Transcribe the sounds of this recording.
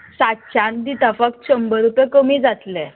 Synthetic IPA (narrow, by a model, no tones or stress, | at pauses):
sat̪t͡ɕãnd̪it̪afək̚t̪̚ɕəmbəɾupẽkəmid͡zat̪le